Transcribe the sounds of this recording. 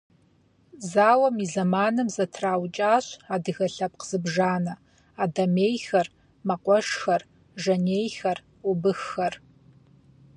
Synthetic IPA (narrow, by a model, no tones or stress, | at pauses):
zaːwɐmizɐmaːnɨmzɐtʰraːwt͡ʃʼaːɕadɨɣɐɬɐp̚ʼqz̥ɨbʐaːnɐ | adɐmeːjxɐr | mɐqʷʼɔʂxɐr | ʐɐneːjxɐr | ubɨxːɐr